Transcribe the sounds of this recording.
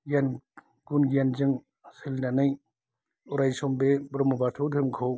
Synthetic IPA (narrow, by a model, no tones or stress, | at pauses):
ɡjan | ɡunɡianzɯŋ | asɯlnanɯj | uɾajsɔmbebɾɔmubatʰɔwdʰʱɯmkʰow